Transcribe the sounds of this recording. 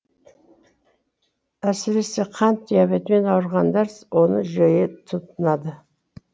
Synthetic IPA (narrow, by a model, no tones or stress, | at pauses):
æsɪɾe̞se̞qʰɑnt̪ʰːijɑbet̪me̞nɑwəɾʁɑnd̪æɾswo̞nə̰ʒøjet̪ʰut̪ənɑd̪ə